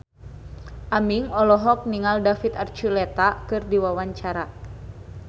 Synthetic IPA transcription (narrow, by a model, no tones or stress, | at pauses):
ʔamiŋɔlɔɦɔk̚niŋaldafit̪art͡ʃulɛt̪akɨrdiwawaɲt͡ʃaɾa